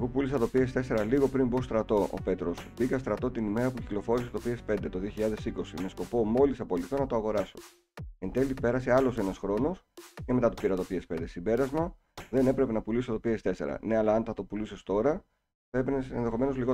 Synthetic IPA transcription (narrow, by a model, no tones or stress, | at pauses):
eɣopulisɐt̪opiest̪e̞se̞ɾɐliɣo̞pɾimbo̞st̪ɾɐt̪o̞ʔo̰pe̞t̪ɾo̞sbikɐst̪ɾɐt̪o̞t̪inime̞ɾɐpuciklo̞fo̞ɾiset̪o̞piespe̞nd̪e̞t̪o̞ðioçiʎɐðe̞siko̞sime̞sko̞po̞mo̞lisɐpo̞liθt̪onɐt̪oɐɣo̞ɾɐso̞ | end̪e̞lipe̞ɾɐse̞ɐlo̞se̞nɐsxɾo̞no̞scemet̪ɐt̪o̥piɾɐt̪o̞piespe̞nd̪e̞simbe̞ɾɐzmɐ | ðe̞ne̞pɾe̞pe̞nɐpulisot̪o̞piest̪e̞se̞̰ɾɐ̰ne̞ɐlɐɐnt̪ɐt̪o̞pulusest̪o̞ɾɐ | θɐe̞penesenðexo̞me̞no̞zliɣo